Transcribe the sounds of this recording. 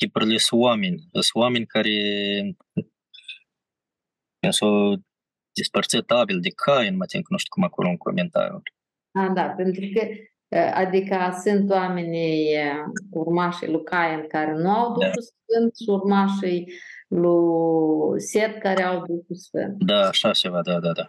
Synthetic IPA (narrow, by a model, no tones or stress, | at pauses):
kʲipuɾilʲəswamenʲəswamenʲkaɾe | enso | d̪̥ispərt̪sət̪abild̪ekʰajenmət̪imknuʃt̪i̥kumakoloɨŋko̞̰ment̪a̰ɾjṵl | ad̪ape̞nt̪ɾukə | a̰d̪ikasɨnt̪oamenʲej | urmaʃḛjlukajenkaɾenuawd̪uʃusfɨnt̪ʃurmaʃejlu | sʲet̪̚kaɾeawd̪ukusfɨ̰nt̪d̪aːʃat͡ʃevad̪ad̪ad̪a